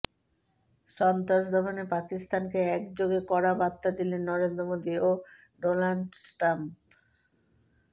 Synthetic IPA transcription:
ʃɔnt̪aʃd̪ʱɔbonepakist̪ankeɛkd͡ʑoɡekɔɾabat̪ːad̪ilenːɔɾend̪ɾomod̪io | ɖonaɳɖsʈamp

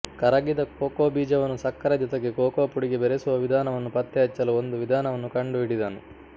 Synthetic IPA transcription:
kɐɾɐɡid̪ɐkoːkoːbiːd͡ʒɐʋɐnːusɐkːɐɾɐd̪ɐt̪ɐɡekoːkoːpuɽiɡebeɾesuʋɐʋid̪ʱaːnɐʋɐnːupɐt̪ːɛɐt͡ʃːɐluond̪uʋid̪ʱaːnɐʋɐnːukɐɳɖuiɽid̪aːnu

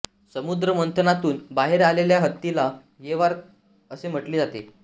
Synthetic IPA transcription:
səmud̪ɾəmənt̪ʰənat̪uːnbaɦeɾaleljaɦət̪ːila | jeʋaɾ | əsem̤əʈliːd͡zat̪ḛ

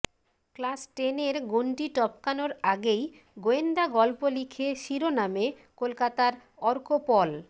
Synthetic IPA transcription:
klasʈeneɾɡoɳʈiʈɔpkanoɾaɡej | ɡoend̪aɡɔlpolikʰeʃiɾoname | kolkat̪aɾɔɾkopɔl

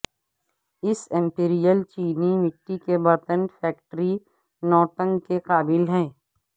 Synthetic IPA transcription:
ɪsɪ̃mpiːɾijəlt͡ʃiːnimɪʈːikebɐɾt̪ənfɛːk̚ʈɾi | nɔːʈə̃ŋɡkeqaːbɪlɦɛː

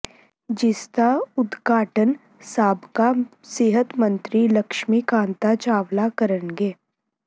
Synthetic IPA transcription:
d͡ʒɪst̪aʊd̪ɡaːʈən | saːbka | sɪɦət̪mə̃nt̪ɾiləkʃmikãːnt̪at͡ʃaːʋlakəɾənɡeː

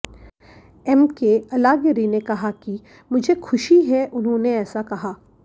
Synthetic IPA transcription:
ɛmkeɐlaːɡəɾinekɐɦaki | mʊd͡ʒʱexʰʊʃiɦɛʔʊnɦõneɛːsakɐɦaː

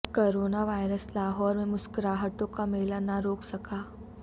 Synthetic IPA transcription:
koːɾoːnaʋaːɪɾəslaːɦɔːɾmẽmʊskɾaːɦəʈõkameːlanaɾoːksɐkaː

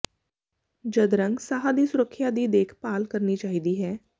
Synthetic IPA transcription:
d͡ʒəd̪ɾə̃ŋɡsaːɦad̪iːsʊɾəkʰːjaːd̪iːd̪eːkʰpaːlkəɾniːt͡ʃaːɦiːd̪iːɦɛː

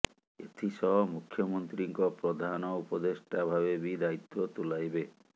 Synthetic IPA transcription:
et̪ʰisɔɦɔmukʰjɔmɔnt̪ɾiŋkɔpɾɔd̪ʱanɔupɔd̪esʈabʱaβebid̪ait̪ːɔt̪ulajbe

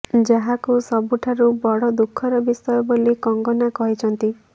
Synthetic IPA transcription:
d͡ʒaɦakusɔbuʈʰaɾubɔɽɔd̪ukʰːɔɾɔbisɔjɔbolikɔŋɡɔnakɔɦit͡ʃʰɔnt̪i

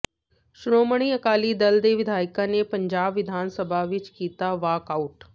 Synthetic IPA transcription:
ʃɾoːməɽ̃iɐkaːlid̪ɐld̪eːʋɪd̪ʱaːɪkanepɐ̃ɲd͡ʒaːbʋɪd̪ʱaːnsəbʱaʋɪt͡ʃkiːt̪aʋaːkaːʊʈ

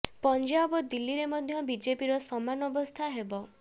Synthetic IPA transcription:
pɔnd͡ʒabɔd̪ilːiɾemɔd̪ʱjɔbid͡ʒepiɾɔsɔmanɔbɔst̪ʰaɦebɔ

